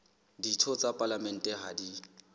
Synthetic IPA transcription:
ditʰɔt͡sʼapʼalamɛn̩tʼɛɦadi

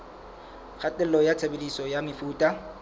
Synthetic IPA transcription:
k͡xʰatʼɛl̩lɔjat͡sʰebedisɔjamɪfuːtʼa

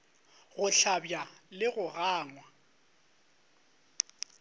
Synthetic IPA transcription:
ɣʊɬabjalɪɣʊɣaːŋwa

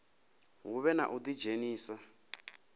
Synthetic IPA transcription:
ɦuβɛna̰ʔud̪i̥d͡ʒeniːsa

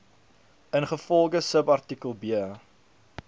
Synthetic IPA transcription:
ənχəfɔlˠɡəsəpɐrtikəlˠbiəə

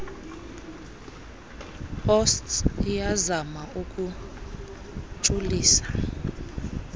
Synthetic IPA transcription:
hɔstsijazamauk̬ʼu | t͡ʃʼuliːsḁ

